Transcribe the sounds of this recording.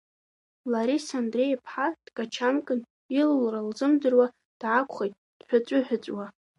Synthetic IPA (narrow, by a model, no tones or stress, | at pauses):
laɾisandrejpʰħad̥kʼat͡ʃʰankʼɨn | illralzɨmdɨrwa | d̥ʕakʷʰʼχejtʼ | d̥ħʷᶣat͡sʷʼʊħʷᶣʊt͡sʷʼwa